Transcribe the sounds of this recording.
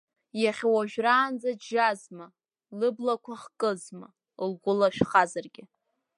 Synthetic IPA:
jaχʲwaʒᶣraːnd͡zaʒazma | lɨblakʷʰaχkʼɨzma̰ | lɡʷʊlaʃᶣχazarɡʲɪ

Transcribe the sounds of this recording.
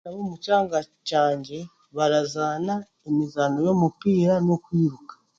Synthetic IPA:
aβoːmucaːŋɡacaːɲɟe̞ | βaɾazaːna | emizanojo̞ːmupiːɾano̞kwiːɾukḁ

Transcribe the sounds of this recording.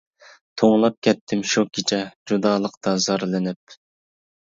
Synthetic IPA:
t̪ʰoŋlˠɑp̚kʲɛt̪ʰːɪmʃukʲit͡ʃʰɛd͡ʒud̪ɑːlˠəqt̪ɑzɑɾlˠɨnɪp̚

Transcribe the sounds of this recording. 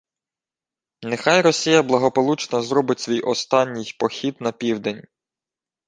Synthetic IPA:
nexɑjrɔsʲijɐblˠɐɦɔpɔlˠut͡ʃnɐzɾɔbɪtʲsʲʋʲijɔst̪ɑnʲːɪjpɔxʲid̪nɐpʲiwd̪enʲ

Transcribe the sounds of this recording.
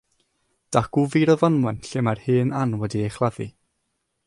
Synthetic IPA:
d̥aɡ̥uviɾɔvɔnwɛnɬɪmarhɨːnanwɛdiejχlˠaði

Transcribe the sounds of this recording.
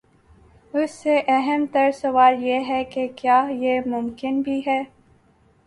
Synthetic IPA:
ʊsːeʔɛɦəmt̪ɐɾsɐwaːljeɦɛkekjaːjeːmʊmkɪnbʱiɦɛː

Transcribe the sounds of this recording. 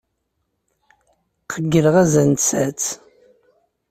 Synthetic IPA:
qʰəɡːələʁæzænt͡sæt͡s

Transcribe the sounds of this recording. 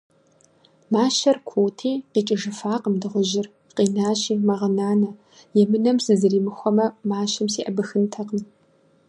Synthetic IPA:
maːʃɐrkʷʰoːwtʰiːqiːt͡ʃʼɪʒɨfaːqəmdɨʁʷʊʒɪr | qiːnaːɕiːmɐʁɐnaːnɐ | jɛmɨnɐmsɨzɨriːmɨxʷɔmɐmaːʃɐmsiːʔɐbɨxɨntʰɐqn

